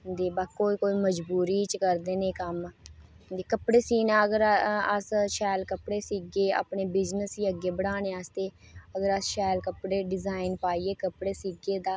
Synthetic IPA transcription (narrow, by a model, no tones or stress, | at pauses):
d̪eːbakoːiːkoːiːməd͡ʒbuːɾiːt͡ʃkəɾd̪eːneːkəm | d̪eːkəpɽeːsiːnãːəɡəɾəsʃɛːlkəpɽeːsiːɡeːa̰ːpneːbɪd͡ʒnəsiːəɡːeːbəɽaːneːast̪eːəɡəɾəsʃɛːlkəpɽeːɖɪzaːɪnpaːiːeːkəpɽeːsiːɡeːd̪aː